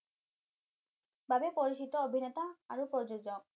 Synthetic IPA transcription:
bʱabepoɾit͡ʃit̪ɔobʱinet̪aaɾupɾɔd͡ʒod͡ʒɔ

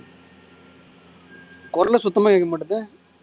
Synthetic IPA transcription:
kɔɾɐlɐsʊt̪ːɐmaːeːkːɐmɐɽɯðɯ

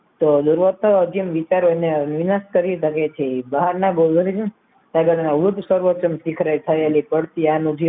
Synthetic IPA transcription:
t̪od̪uɾʋət̪əəd͡ʒimʋit͡ʃaɾoenenʋinaskəɾit̪əket͡ʃʰeibəɦaɾnãɡod̪ʱɾid͡ʒĩ | t̪akəʈ̪nãut̪səɾʋət͡ʃəmsikʰɾajt̪ʰaelipəɽt̪ianũd͡ʒʱi

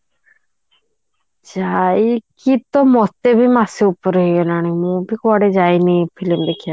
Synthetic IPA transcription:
d͡ʒajikit̪ɔmɔt̪ebʱimaseupɔɾɦejonaɽ̃ĩmũbʱikaɽed͡ʒajnipʰilimd̪ekʰija

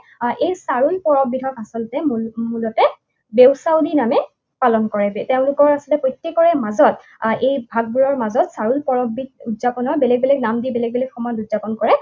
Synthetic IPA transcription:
ʔejsaɹujpɔɹɔbidʱɔkasɔltɛmmulɔtɛ | bewsawdinamɛ | palɔnkɔɹɛteʊ̃lʊkɔɹasɔltɛpojtːekɔɹɛmazɔt | ʔejbʱaɡ̚buɹɔɹmazɔtsaɹulpɔɹɔbid̚udzapɔnɔɹbɛlɛɡ̚bɛlɛɡnamdibɛlɛɡ̚bɛlɛkxɔmɔjɔtudz̥apɔnkɔɹɛ

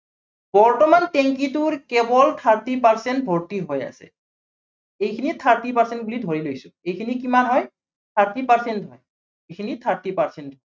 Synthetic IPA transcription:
bɔɹtɔmantɛŋkitʊɹkɛbɔlt̪ʰaɹtipaɹsɛntbʱɔɹtiɦoja̰sɛ̰ | ejkʰinit̪ʰaɹtipaɹsɛnt̚ɡulidʱoɹilojsʊ̃ejkʰinikimanɦɔj | t̪ʰaɹtipaɹsɛntɦɔj | ikʰinit̪ʰaɹtipaɹsɛntɔ

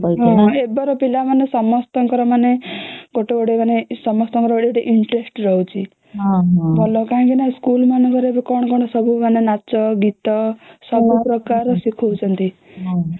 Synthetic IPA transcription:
pɔiɦɔ̃ebɔɾɔpilamanesɔmɔst̪ɔŋkɔɾɔmaneɡɔʈeɡɔɽemanesɔmɔst̪ɔŋkɔɾɔbɔɽeeʈeʔiɳʈɾesʈɾɔɦwt͡ʃʰi | ɦɦt̪ɔlɔkaɦãŋkinaĩskulmanekɔɾebɔkɔɽ̃ɔkɔɽ̃ɔsɔbumanenat͡ʃɔɡit̪ɔsɔbupɾɔkaɾɔsikʰɔwt͡ʃʰʌnt̪i | ɦ

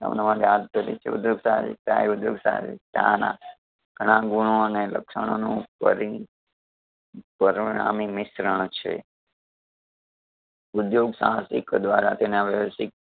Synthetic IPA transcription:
ə̰mnamãt̪ejad̪̚k̪əɾḭt͡ʃʰḛṵd̪joɡsaɦsḭt̪aeud̪joɡsã̰sḭt̪ã̰na̰ | ɡ̥ʱəɽ̃ãɡuɳ̃oənelə̰kʃəɽ̃onũpə̰ɾi | pəɾʋɳa̰mimɪsɾəɳ̃t͡ʃʰḛ | ʊd̪joɡsã̰ɦãsikd̪ʋaɾat̪enaʋjəʋsik̚

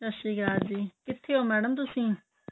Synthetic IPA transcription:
ɾəʃiːkɾaːt̪d͡ʒiːkɪt̪ʰːeːɦoːmɛːɽəmt̪ʊsĩː

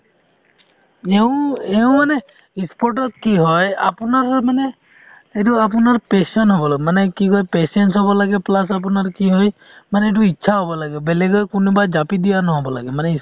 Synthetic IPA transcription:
ɛʊ̃ɛʊ̃manɛ | ispɔɹʈ̬ɔt̚kiɦɔja̰pʊnaɹmanɛ | et̬ʊap̬ʊnaɹpesɔnɦɔbɔlaɡɛmanɛkikɔjpesɛntsɦɔbɔlaɡɛplas̬ap̬ʊnaɹkiɦɔj | manɛɛt̬ʊitːʃʰaɦɔbɔlaɡɛbɛlɛɡɔjkʊnubad͡ʒapidijanɔɦɔbɔla̰ɡɛmanɛis

